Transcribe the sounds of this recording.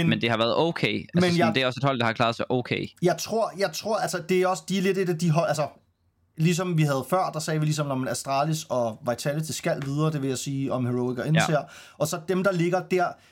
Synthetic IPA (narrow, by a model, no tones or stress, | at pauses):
menmend̥e̝hɑ̈ʋæɐð̩ˠoʊkʰeɪæmenjäd̥eæɐɒ̽se̝d̥hɒ̽l̰d̥ɑ̈hɑ̈kʰlɑ̈ːðˠsʰeʔoʊkʰeɪjɑ̈ɪt͡sʰʁo̝ɐ̰jɑ̈ɪt͡sʰʁo̝ɐ̰ælsɐd̥e̝æɒ̽sə̥d̥iæɐle̝d̥e̝d̥æd̥iɦɒlʔælsɐ | lis̬ɒ̽mʋiɦæð̞̩ˠfɶɐ̰d̥ɑ̈sɛːʋilisɒ̽mnɒmenæsd̥ʁɑ̰̈ːlisɒ̽ʋɑ̈ɪt͡sʰælət͡sʰe̝sɡ̥æl̰ʋið̞ˠɐːd̥e̝ʋe̝jɑ̈ɪsiːɒ̽mheʁoʊiɡ̥ɐe̝neɐ̰ʔɒ̽sɒ̽d̥emd̥ɑ̈le̝ɡ̥ɐd̥æɐ̰